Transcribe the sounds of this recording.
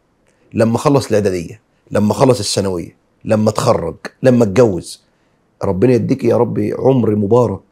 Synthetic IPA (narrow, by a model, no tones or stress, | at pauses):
lamːæxɑlːɑsˤɪlʕad̪aːd̪ɪjːa | lʔamːæxɑlːɑsˤɪsːanawɪ̰jːa̰ | lamːæt̪xɑrˤːɑ̰ɡlamːæt̪̚ɡawːɪz̥ | ɾˤɑbːɪnajad̪ːiːkijɑɾˤɑbːḭʕʊmɾimʊbɑːɾˤɑk̚